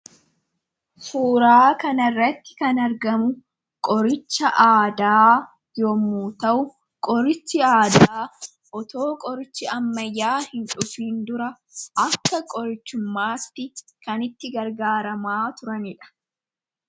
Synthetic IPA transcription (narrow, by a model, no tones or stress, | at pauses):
suːɾaːkɐnɐrːɐt̪ːɪ̥kɐnɐɾɡɐmʊ | kʼɔɾɪt͡ʃːɐʔaːd̪aː | joːmuːt̪ɐʔʊ | kʼɔɾɪt͡ʃːɪaːd̪aː | ʔɔt̪o̞ːkʼɔɾɪt͡ʃːɪɐmːɐjːaːhɪnᶑʊfiːnd̪ʊɾɐ | ʔɐkːɐkʼɔɾɪt͡ʃːʊmːaːt̪ːɪkɐnɪt̪ːɪɡɐɾɡaːɾɐmaːt̪ʊɾɐnɪᶑɐ̥